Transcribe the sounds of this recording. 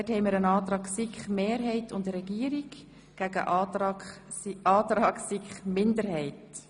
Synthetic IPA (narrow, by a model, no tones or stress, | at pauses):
d̥ɛthɛɪmiːəɾənɑːt̪ɾɑːksikχmeːɾɦɛɪtʰʊndəɾɛɡ̥iːəɾik | ɡ̥æɡə̰ʔ | ɑːt̪ɾɑːksiχmɪndəɾhɛɪt